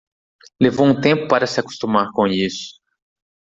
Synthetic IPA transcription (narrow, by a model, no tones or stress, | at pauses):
levowũt̪ẽmpʊpaɾɐsɪaku̥st̪umaɾkõisʊ̥